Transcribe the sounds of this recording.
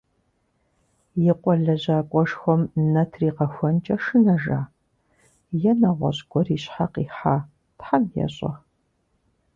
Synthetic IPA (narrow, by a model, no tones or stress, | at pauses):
jɪqʷʼɔɮɐʑaːkʷʼɔʂxʷɔmnɐtʰriːqɐxʷɔnt͡ʃʼɐʂɨnɐʒa̰ː | jɛnɐʁʷɔ̰ɕɡʷɔriːɕħaqiːħaː | tħamjɛ̰ɕʼɐ̰